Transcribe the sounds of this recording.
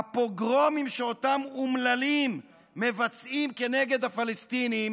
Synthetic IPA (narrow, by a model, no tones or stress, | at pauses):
apo̞ɡʁo̞mimʃeotamumlalimː | e̞vat͡sʔimke̞ne̞ɡe̞d̪hafalest̪inim